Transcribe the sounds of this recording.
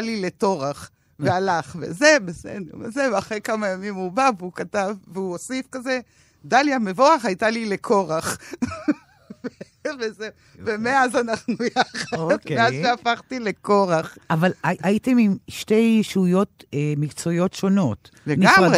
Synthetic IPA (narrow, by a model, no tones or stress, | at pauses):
alile̞to̞ʁaχ | vealaχvḛzebesḛdḛʁmezevaχʁekamajamimubaveukatavveuosifkaze̞ | daljame̞vo̞aχajtalilekʰoʁaχ | ve | veze | vemeazanaχnujaχaodkmeazʃeafaχtile̞koʁaχavalaaitemimʃte̞jʃujo̞temikt͡sojo̞tʃo̞no̞t | leɡamʁe